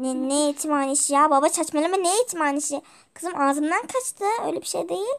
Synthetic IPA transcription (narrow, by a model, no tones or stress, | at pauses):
neneet͡ʃ̪ʰimaːniʃijaːbabat͡ʃʰat͡ʃmalʲˠɯmanejet͡ʃ̪ʰimaːniʃi | kʰɯzɯmʔaːzɯmd̪ankʰat͡ʃt̪ʰɯø̰jlʲebiʃejd̪e̞jilʲ